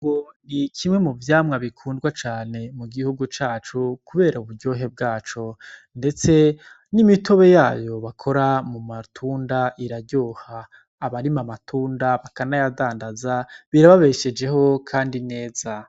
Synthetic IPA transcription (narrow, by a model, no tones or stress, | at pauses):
ɡonikʰimŋe̞muvjaːmŋaβikʰuːndɡwat͡ʃaːne̞muɡihuɡut͡ʃaːt͡ʃukuβe̞ːɾauβuɾɟo̞ːɦe̞b̚ɡaːt͡ʃo | nde̞t͡se̞ | nimitoβe̞jaːjo̞βakʰo̞ɾamumatʰuːndaʔiɾaɟoːhaː | βaɾimamatʰuːndaβakanajadaːndazaβiɾaβaβe̞ʃe̞d͡ʒe̞ho̞kʰaːndine̞ːza